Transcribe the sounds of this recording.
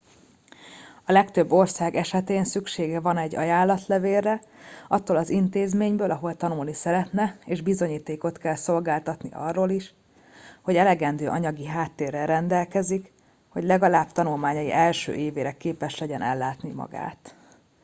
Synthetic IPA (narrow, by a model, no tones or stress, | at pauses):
ɒlɛkt̪øbːo̞rsaːɡɛʃɛt̪eːnsykʃeːɡɛvɒnɛɟːɒ̰jaːlːɒt̪lɛveːrːɛɒt̪ːolɒzint̪eːzmeːɲbøːlɒɦo̞lt̪ɒnulnisɛɾɛt̪nɛeːʒbizo̞ɲiːt̪eːko̞t̪kɛlso̞lɡaːlt̪ɒt̪nḭʔɒ̰rːoːliʃ | ho̞ɟɛlɛɡɛnd̪øːʔɒɲɒɡiɦaːt̪ːeːrːɛɾɛnd̪ɛlkɛzik | ho̞ɟlɛɡɒlaːbt̪ɒnulmaːɲɒjḭʔɛlʃø̰ːʔeːveːɾɛkeːpɛʃlɛɟɛnʔɛ̰lːaːt̪nimɒ̰ɡa̰ːt̪